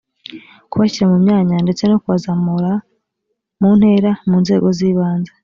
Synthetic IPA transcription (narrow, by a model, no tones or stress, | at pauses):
kuβaçiɾamumɲaːɲande̞t͡se̞no̞kuβazamuɾa | muːn̥he̞ːɾamuːnze̞̰ːɡo̞ziːβaːnze